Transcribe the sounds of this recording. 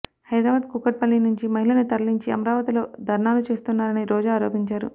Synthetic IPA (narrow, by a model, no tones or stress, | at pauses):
hɐjd̪ɾaːʋɐd̪kukɐʈ̚pɐlːinuɲt͡ʃimɐɦilɐnut̪ɐɾliɲt͡ʃiɐ̰mɐɾaːʋɐt̪ilo̞ːd̪ʱɐɾɳaːlut͡ʃe̞ːst̪unːaːɾɐniɾɔːd͡ʒaːaːɾo̞ːpiɲt͡ʃaːɾṵ